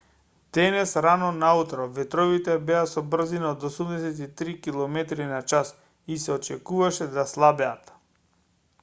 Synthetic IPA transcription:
d̪̥ɛnɛsɾanɔnaut̪ɾɔvɛt̪ɾɔvit̪ɛbɛasɔbr̩zinod̪osumd̪ɛsɛt̪it̪ɾikilˠɔmɛt̪ɾinat͡ʃas | isɛɔt͡ʃɛkuvaʃɛd̪aslˠabɛat̪

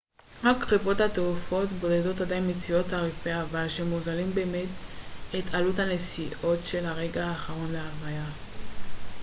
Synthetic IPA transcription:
ʁakʁevo̞thatoufo̞tbo̞de̞do̞tadajnmet͡sio̞t̪aʁifeavaalʃemuzalimbe̞ːme̞tetʰaluthane̞siʔo̞tʃe̞laʁe̞ɡaːχaʁo̞nleavaja

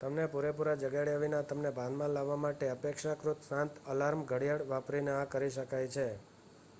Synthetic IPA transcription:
t̪əmnepuɾepuɾad͡ʒəɡaɭjaʋinat̪əmnebʱãnmãlaʋːamaʈeəpekʃakɾut̪sãnt̪əlaɾmɡʱəɽjaɽʋapɾineãkəɾiʃəkajt͡ʃʰe

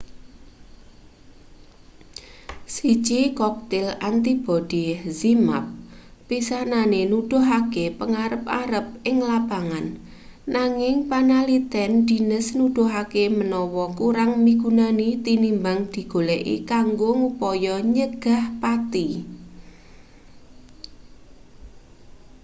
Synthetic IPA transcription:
sit͡ʃikɔk̚t̪ɪlant̪ib̥ɔ̤d̥ihzima̰p̚ːisananenuɖ̪̥o̤ɦakepəŋaɾəpaɾəp̚ɪŋlab̥a̤ŋanː | aŋɪŋpanalit̪ɛnd̪̥i̤nəsnuɖ̪̥o̤ɦakemənɔwɔkuɾaŋmiɡ̥ṳnanit̪inimbaŋd̪̥i̤ɡ̥o̤leʔḭkaŋɡoŋupɔjɔɲəɡ̥a̤hpat̪i

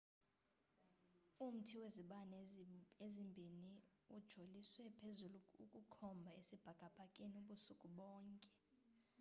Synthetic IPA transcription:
um̩tʰiweziɓanezimbʱiniud̥ʒ̥ʱoliswɛpʰezuluṵkʼukʰɔmbʱaesib̥ʱaɡ̥ʱab̥ʱakʼeniuɓusukʼuɓɔːŋkʼɛ̥

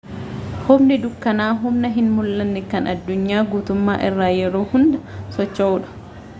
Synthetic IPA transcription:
hʊmnɪd̪ʊkːɐnaːɦʊmnɐɦɪnmʊlːɐnːɛkɐnɐd̪ːʊɲːaːɡuːt̪ʊmːa̰ːʔɪrːaːjɛɾo̞ːhʊnd̪ɐsɔt͡ʃːɐʊːᶑɐ̥

